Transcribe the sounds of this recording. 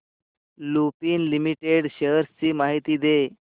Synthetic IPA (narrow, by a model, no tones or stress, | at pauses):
lupiːnlimiʈeɽɕəɦɾst͡ɕiːmaɦit̪iːd̪e